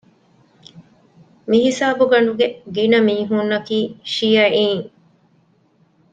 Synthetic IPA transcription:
miɦisaːbuɡɐɳɖuɡeɡinɐmiːɦunːɐkiːʃijɐiːŋ

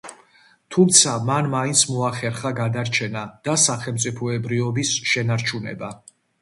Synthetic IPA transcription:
t̪ʰumt̪sʰamanmaint̪sʰmɔaχɛɾχaɡad̪aɾt͡ʃʰɛnad̪̥asaχɛlmt̪sʼipʰɔɛbɾiɔbisʃɛnaɾt͡ʃʰunɛ̰ba

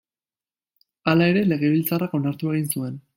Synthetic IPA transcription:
alae̞ɾe̞le̞ɣ̞e̞βilt͡sarako̞naɾt̪ue̞ɣ̞insue̞n

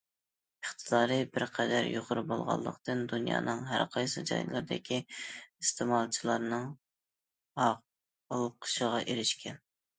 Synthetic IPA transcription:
əχt̪ʰɨd̪ɑːɾɨbɪɾqʰɛd̪æɾjoʁʊɾɨbolˠʁɑ̰lˠːə̰qt̪ɨnd̪unjɑ̰ːnɨŋɦæ̰ɾqʰɑjsɨd͡ʒɑ̰jnlˠɨɾd̪ɪ̰kʲʰiɨst̪emɑlˠt͡ʃʰilˠɑɾnɨŋ | ɑʁ | bolˠɨp̚qʰə̥ʃəʁɑʔeɾɪʃkʲʰɛn

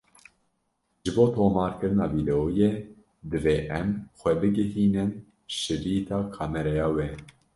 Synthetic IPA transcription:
ʒ̥ɨboːt̪ʰoːmɑːɾkɨɾɨnɑːviːd̪ɛojeː | d̪ɨveːʔɛmxʷɛbɨɡɨhiːnɨn | ʃɨɾiːt̪ʰɑːkʰɑːmɛɾɛjɑːwɛ

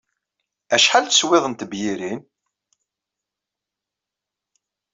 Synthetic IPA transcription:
æʃħalt̪ə̥swɪðˤənt̪əbjiɾin

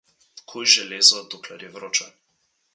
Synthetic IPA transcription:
kʰojʒɛlezɔd̪oklaɾjɛvɾot͡ʃan

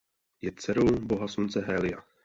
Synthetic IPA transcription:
jɛt͡sɛɾowboɦaslunt͡sɛɦɛlɪa

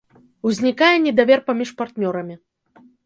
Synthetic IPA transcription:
wzʲnʲikajɛnʲɛd̪avʲɛrpamʲiʂpart̪nʲɔɾɐmʲi

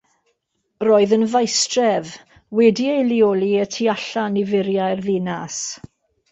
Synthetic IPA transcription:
roːɨðənvajstrɛv | wɛdiejliɔlˠiətʰiaɬanivɪɾjajrðɪnas

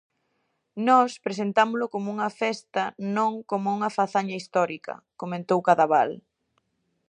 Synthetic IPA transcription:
nɔspɾes̬ent̪amʊlʊkomʊuŋɐfɛst̪ɐnõŋkomʊuŋɐfaθaɲɐist̪ɔɾikɐ̰ | komẽnt̪owkaðaβal

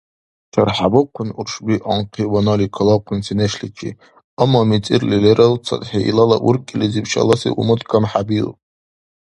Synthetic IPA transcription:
t͡ʃʰarħabɨqʷʊnurʂbiʔaɴqʰiwanalikʰalaqʰʷʊnsineʃlit͡ʃʰḭ | amamit͡sʼirlileɾʔɨlt͡sʰa̰tʼħaḭlala̰ʔurkʲʼilizipʰʃa̰lasḭʔṵmɨtkʰamħabilʼ

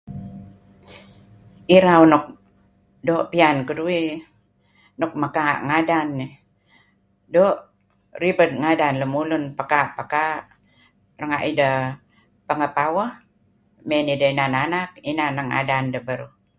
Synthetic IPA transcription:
iɾawnɔk̚ | doːʔpiankudui | nɔk̚məkaʔŋadanːi | doːʔ | ribəd̚ŋadanləmulunpəkaʔpəkaʔ | rəŋaʔidə | pəŋəpawəh | menidəinananak̚inanəŋa̰dandəbəɾu

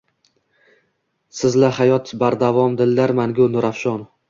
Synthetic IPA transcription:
sɪzlahajɒt̪baɾd̪avɒmd̪ɪlːaɾmaŋɡʲʊnʊɾafʃɒn

